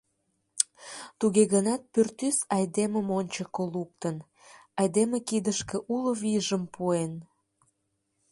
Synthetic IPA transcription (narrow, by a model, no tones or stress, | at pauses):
t̪uɣeɣənɑt̪̚pørt̪ysɑjd̪eməmonʲt͡ɕəkoluk̚t̪ən | ɑjd̪emekid̪əʃkeʔuloβiʒəmpuen